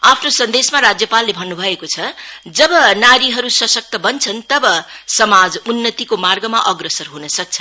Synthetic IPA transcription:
apʰnosʌnd̪esmaɾad͡zjʌpalːebʱʌnːubʱʌekot͡sʰʌd͡zʌbʌnaɾiɦʌɾusʌsʌk̚t̪ʌbʌnt͡sʰʌnt̪ʌbʌsʌmad͡zunːʌt̪ikomarɡʌmaʔʌɡrʌsʌrɦunʌsʌk̚t͡sʰʌ̥

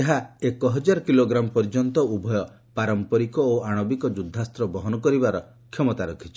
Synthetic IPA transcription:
eɦaekɔɦɔd͡ʒaɾɔkiloɡɾamɔpɔɾd͡ʒɔnt̪ɔubʱɔjɔ | paɾɔmpɔɾikɔoaɽ̃ɔbikɔd͡ʒud̪ʱːast̪ɾɔbɔɦɔnɔkɔɾibaɾɔ | kʰjɔmɔt̪aɾukʰit͡ʃʰi̥

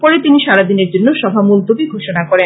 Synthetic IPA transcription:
pɔɾet̪iniʃaɾad̪ineɾd͡ʑonːoʃɔbʱamuld̪obiɡʱoʃonakɔɾen

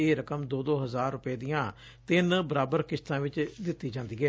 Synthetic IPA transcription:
eːɾəkəmd̪oːd̪oːɦəzaːɾːʊpeːd̪ɪjãː | t̪ɪnbəɾaːbəɾkɪst̪ãːʋɪt͡ʃd̪ɪt̪ːiːd͡ʒãːnd̪iːɡɛː

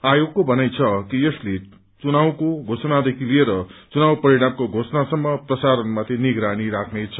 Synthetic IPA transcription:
ajoɡkobʱʌnajt͡sʰʌkijesle | t͡sunawkoɡʱosʌnad̪ekʰilieɾʌt͡sunawpʌɾiɽ̃amkoɡʱosnasʌmːʌprʌsaɾʌnmat̪ʰiniɡɾaɽ̃iɾakʰnet͡sʰʌ

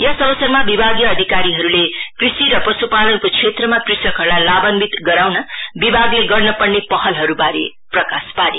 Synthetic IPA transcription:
jʌsʌbʌsʌrmabibʱaɡijʌːd̪ʱikaɾiɦʌɾulekrisiɾʌprʌsupalʌnkot͡sʰet̪rʌmakrisʌkɦʌrlalabʌnbit̪ɡʌɾawnʌbibʱaɡleɡʌrnʌpʌrnepʌhʌlɦʌɾubaɾḛ | prʌkaspaɾe

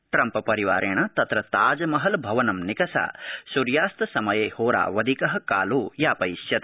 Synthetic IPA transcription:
ʈɾɐmpɐpɐɾiʋaːɾʔeːɳɐt̪ɐt̪ɾɐt̪aːd͡ʒɐmɐɦɐlbʱɐʋɐnɐmnikɐsa̰ːsuɾjaːst̪ɐsɐmɐjeːhoːɾa̰ːʋɐd̪ʱikɐɦɐ̆kaːluːjaːpɐjsjɐt̪

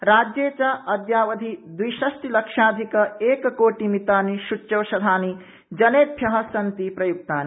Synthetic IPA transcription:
ɾaːd͡ʒjeːt͡ʃɐɐd̪ʱjaːʋɐd̪ʱid̪wijʃɐsʈilɐkʂaːd̪ʱikɐeːkɐkoːʈimit̪aːniʃut͡ʃːɐʋʃɐd̪ʱaːni | d͡ʒɐneːp̪ʰjɐɦɐsɐnt̪ipɾɐjuk̚t̪aːni

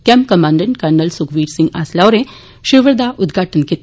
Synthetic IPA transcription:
kɛmkɐmaːɳɖəɳʈkɐɾnəlsukʋiːʈsĩŋɡa̰slaʋɾe | ʃiʋəɾd̪aʔud̪ɡʱaːʈənkit̪

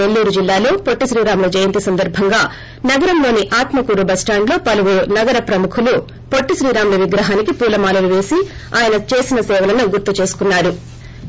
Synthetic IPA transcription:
e̞lːuːɾud͡ʒilːaːlo̞ːpoʈːiʃɾiːɾaːmulɐd͡ʒɐjɐnt̪isɐnd̪ɐɾbʱɐŋɡaː | nɐɡɐɾɐmlo̞ːniʔaːt̪mɐkuːɾubɐsʈaːɳlo̞ːpɐluʋuɾunɐɡɐɾɐpɾɐmukʰulu | po̞ʈːiʃɾiːɾaːmulɐʋiɡɾɐɦaːnikipuːlɐmaːlɐluʋe̞ːsi | aːjɐnɐt͡ʃe̞ːsinɐsɛːʋɐlɐnuɡuɾt̪ːut͡ʃe̞ːsu̥kunːaːɾu

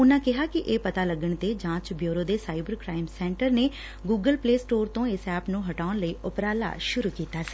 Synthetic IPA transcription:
ʊnãːkɪɦaːkɪʔeːpət̪aːləɡəɳt̪eːd͡ʒãːt͡ʃbjoːɾoːd̪eːsaːɪbəɾkɾaːɪmsɛ̃ːɳʈəɾneː | ɡuːɡəlpleːsʈoːɾt̪õːɪsɛːpnũːɦəʈaːʊɳləiːʔʊpɾaːla̰ːʃʊɾuːkiːt̪aːsi̥ː

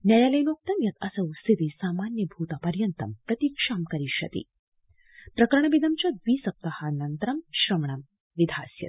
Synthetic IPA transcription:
njɐjaːlɐjnoːk̚t̪ɐmjɐt̪ɐsɐwst̪it̪isaːmaːnjɐbʱuːt̪apɐɾjɐnt̪ɐmpɾɐt̪iːkʂaːmkɐɾiʃɐ̰t̪ḭ | pɾɐkɐɾɐɳ̃ɐbid̪ʱɐmt͡ʃad̪ʋiːsɐp̚t̪ɐhɐnɐnt̪ɾɐmʃɾɐmɐɳ̃ɐm | ʋid̪ʱa̰ːsjɐ̰t̪̚

